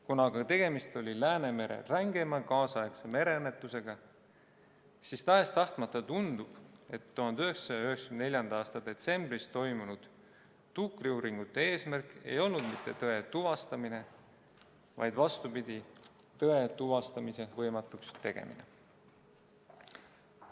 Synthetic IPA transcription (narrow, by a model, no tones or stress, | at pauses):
kunɑɡɑt̪e̞ɡ̥e̞mist̪o̞lʲilæːne̞me̞ɾḛræŋɡe̞mɑkɑːsɑekseme̞ɾe̞ɤnːe̞t̪ːˑuse̞ɡ̥ɑ | sist̪ɑest̪ɑht̪mɑt̪ːˑɑt̪und̪̥ub̥e̞t̪ːuhɑnd̪yɦekssɑjɑyhekskynnelʲjɑnd̪̥ɑɑːst̪ɑd̪̥e̞t̪se̞mbrist̪o̞jmunud̪̥ː | ukriuːɾiŋɡ̥ut̪ːˑe̞e̞ːsmærkˑe̞̰jo̞lnud̪̥mit̪ːˑe̞t̪ɤe̞t̪uvɑst̪ɑmine̞ | vɑ̰jd̪̥vɑst̪upid̪̥ʲi | t̪ɤe̞t̪uvɑst̪ɑmise̞vɤjmɑt̪ːˑukst̪e̞ɡ̥e̞̰mḭnḛ